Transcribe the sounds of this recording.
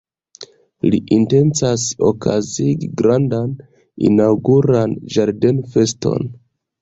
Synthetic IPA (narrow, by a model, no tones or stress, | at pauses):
liʔinte̞nt͡saso̞̰kʰaziɡiɡɾandan | ḭnawɡuɾand͡ʒaɾde̞nfe̞sto̞̰n